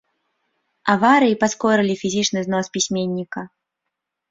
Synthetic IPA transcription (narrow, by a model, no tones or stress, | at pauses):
avaɾɨjipaskɔɾɨlʲifʲizʲit͡ʂnɨznɔspʲisʲmʲenʲːikɐ